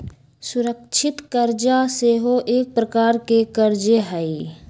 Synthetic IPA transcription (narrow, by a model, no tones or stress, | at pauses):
sʊɾəkt͡ʃʰɪt̪kəɾd͡ʒaseɦoʔeːk̚pɾəkaːɾkekəɾd͡ʒeɦɛi